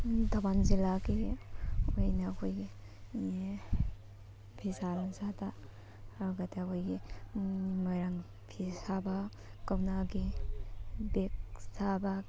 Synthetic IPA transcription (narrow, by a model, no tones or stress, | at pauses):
dabanzilaɡi | ojnaːkʰojɡi | pʰisalasata | ɾuɡatakʰojɡi | majɾaŋ | pʰisaba | kawnaɡi | bek̚saba